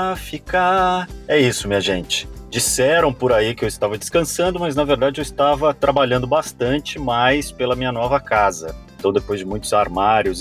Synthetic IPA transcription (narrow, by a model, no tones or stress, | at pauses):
fikɐɛisʊmĩɲɐʒẽnt͡ʃɪ̥d͡ʒisɛɾɐ̃w̃pʊɾaikɪewɪst̪avɐd͡ʒɪskɐ̃sɐ̃nd̪ʊmɐznɐveɾd̪ad͡ʒɪewɪst̪avɐt̪ɾabaʎɐ̃nd̪ʊbast̪ɐ̃nt͡ʃɪmajspelɐmĩɲɐnɔvɐkazɐ̰eẽt̪ɐ̃w̃d̪epojzd͡ʒɪmũj̃t̪ʊzaɾmaɾjʊs